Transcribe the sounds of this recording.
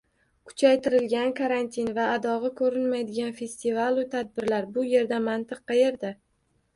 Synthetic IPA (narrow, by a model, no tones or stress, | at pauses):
kʰʊ̥t͡ʃʰajt̪ɪɾɪlɡʲankʰaɾant̪ʰinvaːd̪ɒʁɨkʰɵɾɪnmajd̪ɪɡʲanfe̞st̪ivalˠʊt̪ʰad̪̚bɪɾlaɾbʊje̞ɾd̪amant̪ʰɨqːɑje̞ɾd̪a